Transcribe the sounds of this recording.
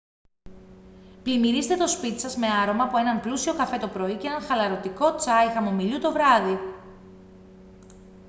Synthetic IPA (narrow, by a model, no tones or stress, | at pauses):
plimiɾist̪e̞t̪o̞spit̪i̥sɐzme̞ɐɾo̞mɐːpue̞nɐmplusio̞kɐfe̞t̪o̞pɾo̞iceenɐnxɐlɐɾo̞t̪iko̞t͡sɐixɐmo̞miʎut̪o̞vɾɐði